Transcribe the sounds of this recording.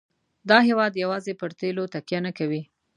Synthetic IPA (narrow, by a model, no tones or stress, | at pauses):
d̪ɑɦewɑd̪jawɑzepəɾt̪elot̪akjanakawi